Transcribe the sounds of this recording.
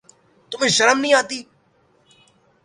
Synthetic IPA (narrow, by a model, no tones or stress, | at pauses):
t̪ʊmẽːʃəɾəmnĩːaːt̪iː